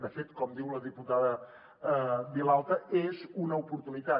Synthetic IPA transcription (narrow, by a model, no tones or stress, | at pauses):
d̪əfet̪kɔmd̪iwləðiput̪aðə | βilalˠt̪əezunəupuɾt̪unit̪a